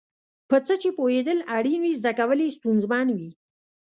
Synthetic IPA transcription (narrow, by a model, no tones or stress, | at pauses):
pət͡sət͡ʃepohed̪əlaɽinwizd̪akawəlest̪unzmɑnwi